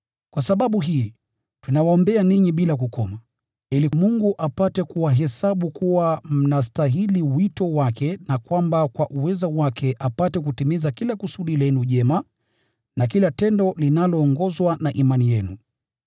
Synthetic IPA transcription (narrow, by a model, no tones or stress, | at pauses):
kwasaɓaɓuɦiː | tunawaɔmbɛaniɲiɓilak̬ukɔma | ilimuŋɡuʔapatɛkuwaɦɛsaɓukuwam̩nas̬taɦiliwitɔwakɛnakwambakwaʔuwɛzawakʰɛʔapatɛk̬utimizakilakusuɗilɛnuʄɛma | nak̬ilatɛndɔlinalɔːŋɡɔzwanaʔimanijɛnṵ